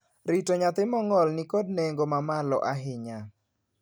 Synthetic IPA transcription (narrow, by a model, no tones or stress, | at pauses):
ɾitoɲat̪ɪmɔŋɔlnikod̚neŋɡomamalɔ̰ʔaɦɪɲa